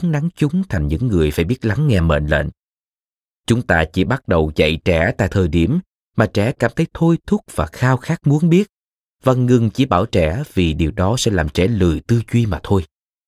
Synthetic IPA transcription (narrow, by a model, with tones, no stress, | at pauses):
ŋna˨˦ŋt͡ɕʊ˨˦ŋ͡mt̪ʰa˨˩jŋ̟ɲɨ̰˧˥ŋːɨ˨˩əjfaː˧˩jɓi˦˥ət̚la˨˦ŋːɛ˧mḛ˧˨nlḛ˧˨n | t͡ɕʊ˨˦ŋ͡mt̪aː˧t͡ɕi˧˩ɓa˦˥t̚ɗə˨˩wt͡ɕa̰˧˨jt͡ɕɛ˧˩t̪a̰ː˧˨jt̪ʰəː˨˩jɗi˧˩əm | maː˨˩t͡ɕɛ˧˩kaː˧˩mt̪ʰə˨˦jt̪ʰo˧jt̪ʰʊ˦˥k̚vaː˨˩xaː˧wxaː˦˥k̚mu˨˦ənɓi˦˥ət̚ | vaː˨˩ŋɨ˨˩ŋt͡ɕi˧˩ɓaː˧˩wt͡ɕɛ˧˩vi˨˩ɗi˨˩əwɗɔ˨˦sɛ̰˧˥laː˨˩mt͡ɕɛ˧˩lɨ˨˩əjt̪ɨ˧t͡ɕwi˧maː˨˩t̪ʰo˧j